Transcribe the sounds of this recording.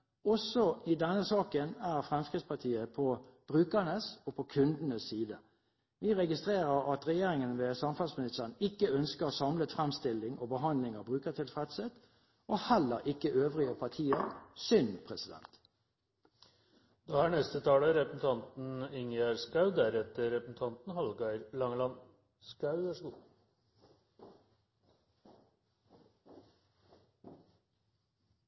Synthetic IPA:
ɔsːɔɪd̪ɛnːəsɑːkənæʁfʁɛmskʁɪt̪spɑt̪ʰiːəpʰɔb̥ʁʉːkəɳəsɔpʰɔkʰʉnd̪ənəsːiːd̪ə | ʋɪʁɛɡɪst̪ʁeːɾəɾɑt̪ʁɛjeːʁɪŋənʋɛsɑmfɑlsmɪnɪst̪əʁnəɪkːəœnskəʁsɑmlət̪fɾɛmst̪ɪlːɪŋʔɔbəɦɑnd̪lɪŋəbʁʉːkət̪ʰɪlfʁɛt̪sət̪ | ʔɔhɛlːəɾʔɪkːəʔøːʋʁɪəpʰɑt̪ʰiːəʁsʏnpʰʁɛsɪd̪ɛ̰nt̪ | d̪̥ɑːæːɳɛst̪ət̪ʰɑːləɾɛpəsn̩t̪ʰɑnt̪n̩ɪŋjæɾskɑʉd̪æɾɛt̪əɾɛpəsn̩t̪ʰɑnt̪n̩hɑlɡɑɪɾlɑŋlɑn | skɑʉæʂlu

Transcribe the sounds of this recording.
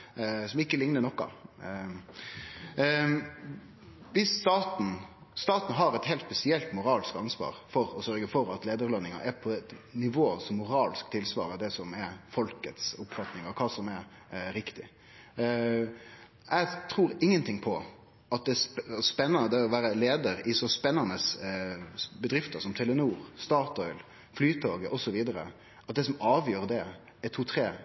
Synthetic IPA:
sɔmɪkːəlɪŋnənɔkːɑ̰ | ʋɪst̪ɑːt̪n̩ | st̪ɑːt̪n̩ɦɑɾɛt̪ɦɛːlt̪spɛsɪɛlt̪mʊɾɑːlɪskɑnsʋɑ̰ːɾfɔɾɔsœɾɡəfɔɾɑt̪leːd̪əɾlɑnːɪŋɑ̰ʔɛɾpʰɔɛt̪nɪʋoːsɔmːʊɾɑːlɪsk̚t̪ʰɪlsʋɑ̰ːɾɑd̪ɛsɔmɛɾfɔlkət̪sʊpfɑt̪nɪŋɑkʰɑːsɔmɛɾ | ɾɪkt̪ɪ | ɛt̪ʰɾuːɾɪŋːənt̪ʰɪŋpʰɔ | ɑt̪̚d̪ɛsɔspɛnːɑnəd̪ɛɔʋæːɾəleːd̪əɾɪsɔspɛnːɑnəs | bəd̪ɾɪft̪əsɔmt̪ʰɛlənuːɾst̪ɑːt̪ɔʏl | flyːt̪ʰɑːɡəʔɔsɔʋiːd̪əɾə̰ | ʔɑt̪̚d̪ɛs̬ɔmɑːʋjøːɾd̪ɛ | ɛt̪ʰuːt̪ʰɾeː

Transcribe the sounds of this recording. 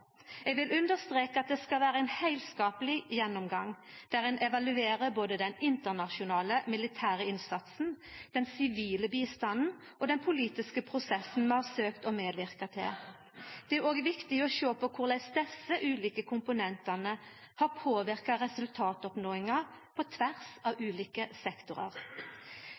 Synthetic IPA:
ɛːɡʋɪlʉnd̪əst̪ɾeːkəɑt̪̚d̪ɛskɑʋæːɾəɛɪnhæɪlskɑːpəlɪjɛnːɔmɡɑŋ | d̪̥æɾɛnʔɛʋɑlʉeːɾəboːd̪əd̪ɛnɪnt̪əʁnɑʃʊnɑːləmɪlɪt̪ʰæːɾəɪnsɑt̪sn̩d̪̥ɛnsɪʋiːləbiːst̪ɑnn̩ | ʔɔd̪ɛnpʰʊliːt̪ɪskəpʰʁʊsɛsn̩mɔhɑsøːkt̪ɔmeːd̪ʋɪʁkɑt̪ʰɪ̰l | d̪̥ɛæʁoːɡəʋɪkt̪ɪɔʃoːpʰɔkʰʊɾlæɪsd̪ɛsːəʔʉːliːkəkʰʊmpʊnɛnt̪ɑnə | hɑʁpʰoːʋɪʁkɑʁɛsʉlt̪ʰɑːt̪ɔpnoːɪŋɑpʰɔt̪ʰʋæʁsɑʋʉːliːkəsɛkt̪ʊɾɑ̰ʁ

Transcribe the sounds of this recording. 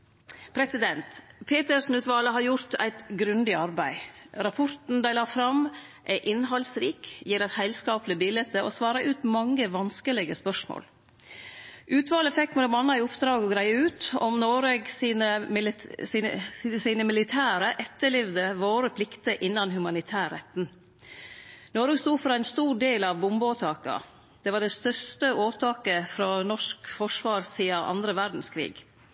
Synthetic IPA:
pʰɾɛsɪd̪ɛnt̪pʰeːt̪əɾsn̩ʉːt̪ʋɑːləɦɑɾjʊɾt̪æ̰ɪt̪ɡɾʉnd̪ɪɑɾbæɪ | ɾɑpʰɔɾt̪n̩d̪æɪlɑːfɾɑm | ʔæʔɪnɦɑlsɾiːkjiːɾæt̪hæɪlskɑːplɪbɪlɛt̪əɔsʋɑːɾɑʔʉːt̪mɑŋːəʋɑnskəlɪɡəspœʂmo̰ːl | ʔʉːt̪ʋɑːləfɛkːmɛlɛmɑnːɑɪʊpd̪ɾɑːɡəɔɡɾæɪəʉːt̪ɔmnoɾeɡsiːnə | siːnəmɪlɪt̪ʰæːɾəʔɛt̪ːəɭɪʋd̪əʋoːɾəpʰlɪkt̪əʔɪnːɑnhʉmɑnɪt̪ʰæːɾɛt̪n | noːɾəɡst̪uːfɾɑːæɪnst̪uːɖeːlɑʋbʊmbəoːt̪ʰɑːkɑ̰ | d̪̥ɛʋɑɖɛst̪œʂt̪əoːt̪ʰɑːkəfɾɔnɔʂkfɔʂʋɑːɾsiːɑʔɑ̰nd̪ɾəʋæɾd̪n̩skʰɾḭːɡ

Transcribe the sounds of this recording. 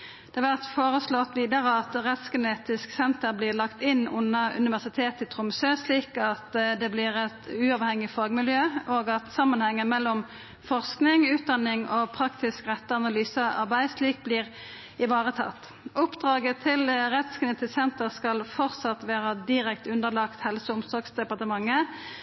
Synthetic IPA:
t̪ʰɛʋæʁt̪foːʁəslɔt̪ːʋiːd̪əʁəɑt̪ʁɛt̪sɡɛneːt̪ɪsksɛnt̪əɾblɪːʁlɑkt̪ɪnʊnːəʔʉ̰nɪʋæʁsɪt̪ʰeːt̪ɪt̪ʰʁʊmsøːsliːkɑt̪d̪ɛblɪʁɛt̪ʉɑʋhɛŋːɪfɑːɡmɪljøːʔoːɡɑt̪sɑmːənhɛŋːəmɛlːɔm | fɔʁsknɪŋʉːt̪̚d̪ɑnɪŋɔpʰʁɑkt̪ɪskʁɛt̪ːəɑnɑlyːsəʔɑ̰ʁbæɪsliːk̚bliːʁ | ɪʋɑːʁət̪ʰɑ̰t̪ː | ʔʊpd̪ʁɑːɡət̪ʰɪlʁɛt̪sɡɛneːt̪ɪssɛnt̪əʁskɑlfɔʁt̪sɑt̪ʋæːʁɑd̪ɪɾɛk̚t̪ʉnd̪əlɑkt̪hɛlsəʊmsɔɾɡsd̪ɛpɑʁt̪əmɑŋːə

